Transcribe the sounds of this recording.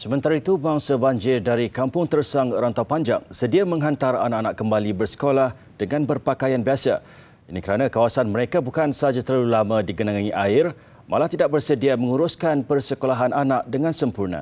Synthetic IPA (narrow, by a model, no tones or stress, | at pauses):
səmə̃nt̪aɾait̪ubaŋsabaɲd͡ʒɪrdaɾikampʊŋt̪ərsaŋɾant̪awpaɲd͡ʒa̰ŋsədiamə̃ŋɦant̪aranaʔanaʔkːəmbalibərsə̥kolah | d̥əŋãnbərpakajanbiasa̰ | inikəɾanãkawasanməɾekabukansəɦad͡ʒat̪əɾulamãdiɡənaŋãŋiʔaɪr | mʔa̰laht̪idaʔ̚bərsədiamə̃ŋuɾuskanpərsəkolaɦananaʔ̚dəŋãnsəmpurna̰